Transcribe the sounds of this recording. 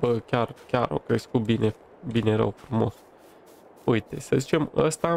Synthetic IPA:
bəkʲarkʲaɾo̞̰kɾe̞skut̪̚bine̞ | bine̞ɾə̰wfɾumo̞̰s | ujt̪e̞səzit͡ʃe̞mə̰st̪a

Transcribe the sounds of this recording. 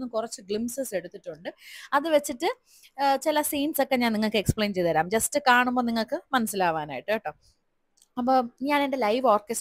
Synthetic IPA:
nːukurɐt͡ɕːuɡɭimsese̞ɽut̪ːiʈːuɳɖɨɐðɨʋe̞t͡ɕːiʈːɨ | t͡ɕilɐsiːnsokːe̞ɲaːniŋːɐɭkɨekspɭejnt͡ɕe̞jðɐɾaːmd͡ʑɐstɨkaːɳumbo̞ːniŋːɐɭkɨmɐnɐsːilaːʋaːna̰ːjiʈːɨeːʈːoː | ɐpːoːɲaːne̞nde̞lɐjʋo̞ːrkes

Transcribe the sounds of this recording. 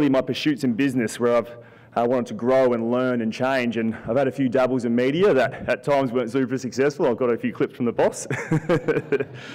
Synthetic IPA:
lˠimaɪpə˞ʃʉtsɨ̃n̩bɪznɨswə˞aɪv̥ | wɑ̃ɾ̃əd̚tʰɨɡɹoʊə̃nlɜ̃˞nɨ̃nt͡ʃʰẽɪ̃nd͡ʒɨ̃naɪv̥ɨɾɨfjʉdʌbl̩ˠzɨ̃nmiɾiɨðɨɾɨtʰãɪ̃mzwɜ̃˞ntsʉpə˞sɨksɛsfl̩ˠaɪvɡɑɾɨfjʉkʰl̥ɪpsfɹʌ̃mðəbɔs

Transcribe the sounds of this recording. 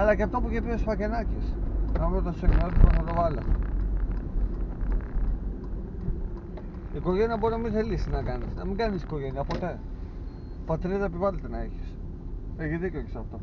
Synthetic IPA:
ɐlɐceɐft̪op̬uʝip̪isfɐcenɐcisnɐvɾot̪ɐsu̥senotsposɐt̪ovɐlɐ | iko̞ʝeniɐboɾinɐmiθelisinɐkɐnisnɐmiŋɡɐnisi̥ko̞ʝe̞niɐpo̞t̪e̞ | pot̪ɾiðɐepivɐlet̪enɐiçi̥s | eçiðicokesɐft̪o

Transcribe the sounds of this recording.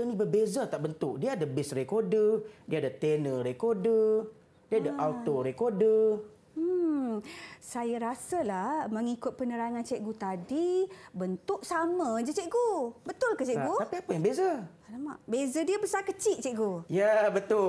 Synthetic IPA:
ənĩbəbezat̪aʔbənt̪ʊk̚diaːdəbɪsrekodədiadat̪enəɾekodə | diadaʔalt̪oɾekodə | sajaɾasəlahməŋikʊt̪̚pənəɾaŋant͡ʃɛʔɡut̪adibənt̪ʊʔsamə̃d͡ʒət͡ʃɛʔɡubət̪ʊlkət͡ʃɛʔɡut̪apiapəjaŋbeza | lama̰ʔbezədiəbəsarkət͡ʃit̪̚t͡ʃɛʔɡujabət̪ʊ

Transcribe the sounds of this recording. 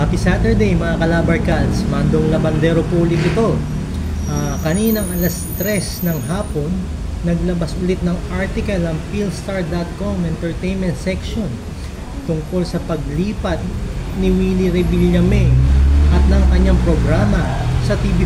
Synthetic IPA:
apisat̪ɛɹd̪ɛjmɐŋakɐlaːbɐɹkɐlsɐmand̪oŋlɐbɐnd̪ɛːɾopuːlɪkɪt̪o̞ | ʔakɐniːnɐŋʔɐlɐst̪ɾɛsnɐŋɦaːpo̞nː | ɐɡ̚lɐbɐsʔʊlɪt̪̚nɐŋʔaɹt̪ɪkɐlɐŋfilst̪aɹd̪at̪̚komɛnt̪ɛɹt̪ejnmɛnt̪sɛkʃo̞n | t̪ʊŋko̞lsɐpɐɡ̚liːpɐt̪̚nɪwiːliɾɛbiljɐmɛʔɐt̪̚nɐŋkɐɲːaŋpɾoɡɾaːmɐsɐt̪ibi

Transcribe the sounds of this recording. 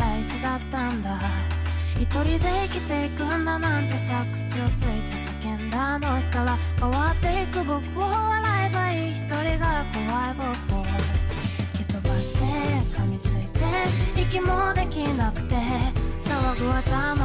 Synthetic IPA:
aiɕid̪at̪ːand̪a | it̪o̞ɾʲid̪e̞ikʲit̪e̞ikɯnd̪anãnt̪e̞sakɯ̟̥t͡ɕiot͡sɨit̪esakẽ̞nd̪ano̞çi̥t̪oβa | koβat̪ːe̞ikɯ̟bo̞kɯ̟oβaɾaebaiçi̥t̪o̞ɾʲiɡakoβaeboko | kʲit̪obaɕi̥t̪e̞kamʲit͡sɨit̪e̞ikʲimo̞d̪e̞kʲinakɯ̟̥t̪e̞saβaɡɯβat̪ano

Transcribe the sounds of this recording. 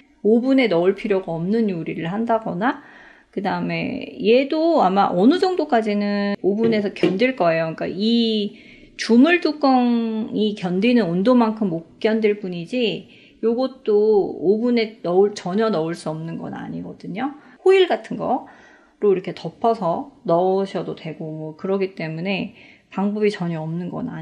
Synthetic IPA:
obune̞nʌuɭpʰiɾjoɡaʌmnɯnjuɾiɾɯɭhandaɡʌna | kɯdaɯme̞̰je̞doamaʔʌnɯd͡ʑʌŋdok͈ad͡ʑinɯobune̞sʰʌkjʌndwiɭk͈ʌe̞jok͈a̰i | t͡ɕumuɭduk͈ʌŋikjʌndinɯnondoŋmaŋkʰɯmːok̚k͈jʌndiɭp͈uɲid͡ʑi | joɡʌt̚t͈oːbune̞nʌuɭt͡ɕʌɲʌnʌuɭs͈uʌmnɯnɡʌ̰na̰ɲiɡʌdɯɲo | hoiɭɡatʰɯnɡʌ | ɾoiɾʌkʰe̞tʌpʰʌsʰʌnʌuɕʰʌdodwe̞ɡomwʌkɯɾʌɡit͈e̞mune̞ | paŋbʌbit͡ɕʌɲʌːmnɯnɡʌ̰na̰

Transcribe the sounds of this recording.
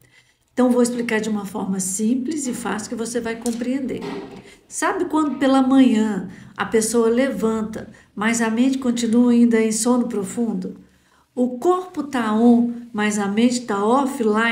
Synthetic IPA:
ẽt̪ɐ̃w̃vowɪsplikaɾd͡ʒɪũmɐfɔɾmɐsĩplizɪfa̰sʊ̥kɪvosevajkõpɾiẽnd̪ḛɾsabɪkwɐ̃nd̪ʊpelɐmɐ̃ɲɐ̃ɐ̰pesoɐlevɐ̃nt̪ɐ | mɐzɐmẽt͡ʃɪ̥kõnt͡ʃĩnuɐĩnd̪ɐẽj̃sõnʊpɾofũnd̪ʊ | ʊkoɾpʊt̪aõmɐjzɐmẽt͡ʃɪ̥t̪aɔfɪla

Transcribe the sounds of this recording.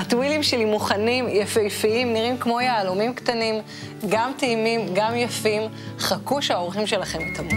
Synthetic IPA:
atwilimʃelimuχanimjafejfiimniʁimkmo̞jaːlomimkt̪anim | ɡamt̪eimimɡamjafim | χakuʃaoʁχimʃe̞laχe̞mt̪ʰamu

